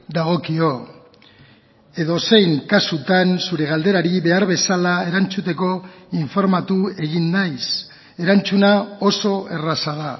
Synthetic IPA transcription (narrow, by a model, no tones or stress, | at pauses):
d̪aɣ̞o̞kio̞ | e̞ðo̞se̞jŋkasut̪ansuɾe̞ɣ̞ald̪e̞ɾaɾiβe̞aɾβe̞salaeɾant͡sut̪e̞ko̞iɱfo̞ɾmat̪ue̞ɣinːajs | e̞ɾant͡sunao̞so̞e̞rasað̞a